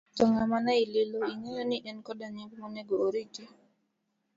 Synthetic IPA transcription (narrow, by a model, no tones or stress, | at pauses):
tɔŋamanailɪloiɲɔjɔniɗɛnkɔdaɲɛɡmɔneɡɔːɾit͡ʃɛ